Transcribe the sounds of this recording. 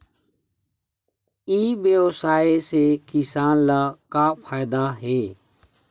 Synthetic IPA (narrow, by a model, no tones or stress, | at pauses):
iːbjəwsaːesekɪsaːnlaːkaːpʰaːɪd̪aːɦeː